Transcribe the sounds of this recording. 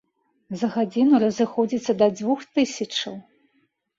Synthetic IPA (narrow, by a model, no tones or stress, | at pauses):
zɐɣad͡zʲinuɾɐzɨxɔd͡zʲit̪sːɐd̪ɐd͡z̪ʲvuxt̪ɨsʲɐt͡ʂɐw